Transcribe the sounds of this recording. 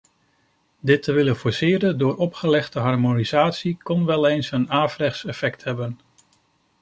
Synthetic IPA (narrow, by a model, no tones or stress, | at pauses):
dɪtːəʋɪlənfʊɹsɪːɾəndʊːɹɔpχəlɛχtəɦɑɹmoniz̥aːtsikɔnʋɛlˠejnsənaːvrɛχsɛfɛktɦɛbən